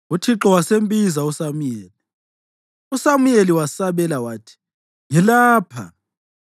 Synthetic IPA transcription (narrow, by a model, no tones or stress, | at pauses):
utʰiǁɔwasembʼizausamujeːli | usamujeliwasaβɛlawaːtʰi̥ | ŋɛlaːpʰa̰